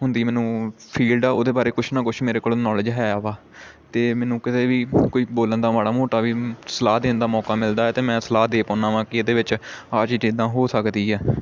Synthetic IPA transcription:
ɦʊnd̪iːmɛ̃ːnũːpʰiːlɖaːoːd̪eːbaːɾeːkʊʃʰnãːkʊt͡ʃʰmeːɾeːkoːlonɔːlɪd͡ʒɦɛːaːʋaː | t̪eːmɛːnũːkɪt̪eːʋiːkoːiːboːlənd̪aːmaːɽaːmoːʈaːʋiːsəlaːd̪eːnd̪aːmɔːkaːmɪld̪aːɛːt̪eːmɛ̃ːsəlaːd̪eːpɔ̃ːnãːʋãːkɪd̪eːʋɪt͡ʃaːt͡ʃːt͡ʃiːd̪ãːɦoːsəkd̪iːɦɛː

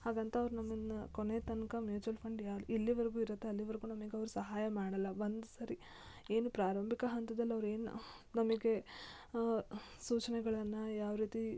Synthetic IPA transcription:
haːɡɐnt̪ɐːʋɐɾunɐmːɐnːɐkonet̪ɐnkɐmjuːt͡ʃuɐlpʰɐɳɖjailːiʋɐɾɡuːiɾɐt̪ːe̞ɐlːiʋɐɾɡunɐmɐɡeɐʋɐɾusɐɦaːjɐmaːɽɐlːɐʋond̪usɐɾi | e̞ːnupɾaːɾɐmbʱikɐɦɐnt̪ɐd̪ɐlːiɐʋɾue̞ːnṵ | nɐmɐɡe̞ | suːt͡ʃɐnɛɡɐɭɐnːɐjaːʋɾiːt̪i

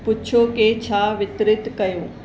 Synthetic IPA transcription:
pʊt͡ɕʰoket͡ɕʰaːʋɪt̪ɾɪt̪kɐjõː

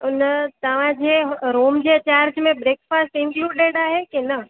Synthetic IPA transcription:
ʊnt̪ɐʋ̤ãd͡ʑeɾoːmd͡ʑet͡ɕaːɾd͡ʑmẽbɾeːkfaːsʈɪ̃ŋkluːɖeɖaːɦekenə

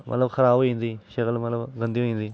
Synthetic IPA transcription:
mɐ̰t̪ləbxʰɐɾaːboĩːnd̪iːʃɐkəlmət̪ləbɡə̃nd̪ioɦĩːnd̪iː

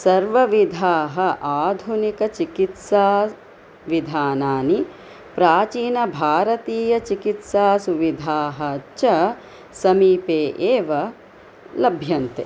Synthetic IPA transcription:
sɐɾʋɐʋid̪ʱaːɦɐ̆ʔaːd̪ʱunikɐt͡ʃikit̪saː | ʋid̪ʱaːnaːni | pɾaːt͡ʃiːnɐbʱaːɾɐt̪iːjɐt͡ʃikit̪saːsuʋid̪ʱaːɦɐt͡ʃɐ | sɐmiːpeːʔeːʋɐ | lɐbʱjɐnt̪ḛː

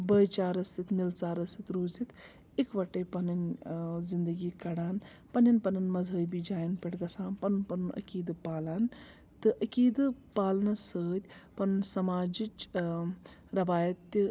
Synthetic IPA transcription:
bəːjt͡ʃaːɾɐsit̪milt͡saːɾɐsit̪ɾoːzit̪ | ikʋɐʈɐjpɐnɨnʲzind̪ɐɡiːkɐɽaːn | pɐnʲɐnʲpɐnɨnmɐzəːbid͡ʒaːjɐnpɐʈɡɐsaːnpɐnɨnpɐnunʔɐ̰kiːd̪ɨpaːlan | t̪ɨʔɐkiːd̪ɨpaːlnɐsəːt̪ʲpɐnɨnʲsɐmaːd͡ʒit͡ʃ | ɾɐʋaːjɐt̪ːi

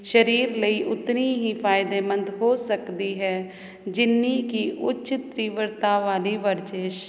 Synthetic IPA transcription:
ʃəɾiːɾləiːʔʊt̪niːɦiːpʰaːɪd̪eːmə̃nd̪ɦoːsəkd̪iːɦɛː | d͡ʒɪnːiːkiːʔʊʃɪt̪ɾiːʋəɾt̪aːʋaːliːʋəɾd͡ʒeːʃ

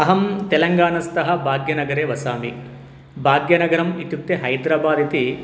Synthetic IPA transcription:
ɐɦɐmt̪ɛlɐŋɡaːnɐst̪ɐɦɐ̆bʱaːɡjɐnɐɡɐɾeːʋɐsaːmi | bʱaːɡjɐnɐɡɐɾɐmit̪juk̚t̪ːeɦɐjd̪ɾaːbaːd̪it̪i

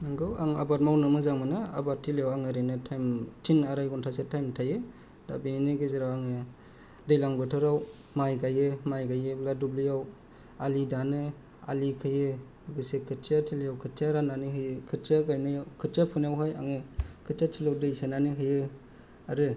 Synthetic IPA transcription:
naŋɡɯwaŋa̰bat̚mawnɯmɯzaŋmɯnɯa̰batʰːiljawaŋɯɾɯnɯtʰajmtʰinaɾajɡɔntʰasetʰajmtʰajɯ | d̥a̰bininɯɡeziɾawaŋɯ | dɯjlaŋbɯtʰɯɾaw | majɡajɯmajɡajɯbladublɯjaw | alidanɯ | a̰likʰɯjɯ | ɡɯsekʰɯt͡ʃatʰilijawkʰɯt͡ʃaɾananiɦɯjɯkʰɯtt͡ʃaɡajnɯjawkʰɯt͡ʃapʰunjawɦaja̰ŋɯkʰɯt͡ʃatʰilawdɯjsenaniɦɯjɯ | aɾɯ

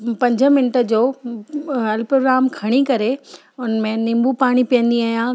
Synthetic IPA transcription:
pɐ̃ɲd͡ʑʱəmɪnɪʈəd͡ʑoː | ɐlpɾoːɡɾaːmkʰɐɽ̃ikɐɾe | ʊnmẽnɪ̃mbupaːɽ̃ipijə̃nd̪iaːɦijã

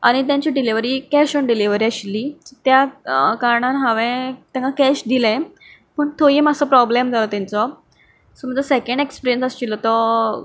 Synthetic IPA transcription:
a̰ɽ̃it̪̬jaɲt͡ɕiɖiliʋəɾiːkɛɕəɳɖiliʋəɾiəɕlːiːt̪jakaɾɳãnɦãʋɛ̃t̪jãŋkakɛɕd̪ilɛ̃ | pəɳt̪ʰojimasɔpɾɔblemd͡zalɔt̪ãnt͡sɔ | səməd͡zəsɛkəɳɖekspiɾijənsəst͡ɕilːɔt̪ɔ

